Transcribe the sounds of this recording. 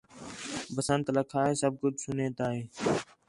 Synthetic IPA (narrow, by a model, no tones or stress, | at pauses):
bəsənt̪ləkʰaːeːsəb̚ɡʊd̪sʊneːt̪aːɦeː